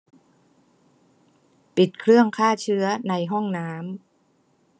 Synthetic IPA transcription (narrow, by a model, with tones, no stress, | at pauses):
pi˨˩t̪̚kʰɾɯ˥˩əŋkʰaː˥˩t͡ɕʰɯ˦˥ɐna˧jɦɔ˥˩ŋnaː˦˥m